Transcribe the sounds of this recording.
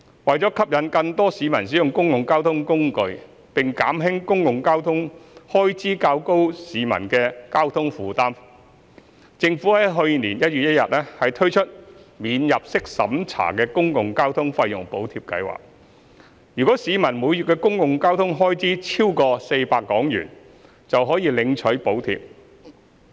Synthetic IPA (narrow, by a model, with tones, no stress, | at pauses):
wɐ˨jt͡sɔː˨˥kʰɐ˥p̚jɐ˨˧nkɐ˧ŋt̪ɔː˥siː˨˧˥mɐ˨˩nsi˨˥jʊ˨ŋkʊ˥ŋjʊ˨ŋkaː˥wt̪ʰʊ˥ŋkʊ˥ŋkɵ˧ɥ | pɪ˨ŋka̰ː˨˥mɦɪ˥ŋkʊ˥ŋkʊ˨ŋkaː˥wt̪ʰʊ˥ŋhɔː˥jt͡siː˥kaː˧wko˥wsiː˨˧mɐ̰˨˩nkɛː˧kaː˥wt̪ʰʊ˥ŋfuː˨˧t̪aː˥m | t͡sɪ˧ŋfuː˨˥lɛː˥ɦɵ˧ɥniː˨˩njɐ˥t̚yː˨t̚jɐ˥t̚jɐ̰˨t̚lɛː˥hɐ˨jt̪ʰɵ˥ɥt͡ʃʰɵ˥t̚miː˨˧njɐ˨p̚sɪ˥k̚sɐ̰˨˥mt͡sʰa̰ː˨˩kɛː˧kʊ˥ŋkʊ˨ŋkaː˥wt̪ʰʊ˥ŋfɐ˧jːʊ̰˨˩ŋpo˨˥wt̪ʰi˧p̚kɐ̰˧jwa̰ː˨˩k̚ | jyː˨kʷɔː˨˥siː˨˧mɐ˨˩nmuː˨˧jyː˨t̚kɛː˧kʊ˥ŋkʊ˨ŋkaː˥wt̪ʰʊ˥ŋɦɔː˥jt͡siː˨˥t͡sʰiː˥wkɔː˧se˧jpaː˧kːɔː˨˥ŋjy̰ː˨˩n | t͡sɐ˨wɦɔː˨˥jiː˧lɪ˨˧ŋt͡ʃʰɵ˨˥ɥpo˨˥wt̪ʰḭː˧p̚